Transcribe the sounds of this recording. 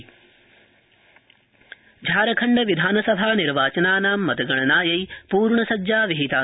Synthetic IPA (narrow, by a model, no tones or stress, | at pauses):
d͡ʒʱaːɾɐkʰɐɳɖɐʋid̪ʱaːnɐsɐbʱaːniɾʋaːt͡ʃɐnaːnaːmːɐt̪ɐɡɐɳɐnaːjɐjpuːɾɳɐsɐdd͡ʒaːʋiɦit̪aː